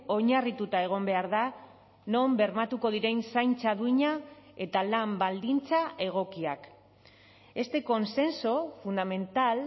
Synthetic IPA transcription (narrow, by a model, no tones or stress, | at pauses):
o̞ɲarit̪ut̪ae̞ɣ̞o̞mbe̞aɾða | no̞mbe̞ɾmat̪uko̞ðiɾe̞nsajnt͡saðuiɲae̞t̪alambald̪int͡saʔe̞ɣ̞o̞kiak | e̞st̪e̞ko̞nse̞nsofund̪ame̞nt̪al